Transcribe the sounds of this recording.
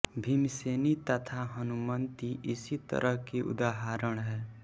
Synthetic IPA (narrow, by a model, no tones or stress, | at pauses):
bʱimisenit̪ət̪ʰaɦʌnumʌnt̪iʔisit̪ʌ̰ɾʔʌɦkiʔṵd̪aɦaɾəɽ̃ɦeː